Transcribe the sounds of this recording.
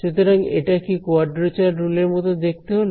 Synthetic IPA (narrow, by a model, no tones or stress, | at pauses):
ʃut̪ʰeɾaŋḛʈakikoaɾɖɾet͡ɕaɾɾuleɾmɔt̪od̪ek̚t̪eɦol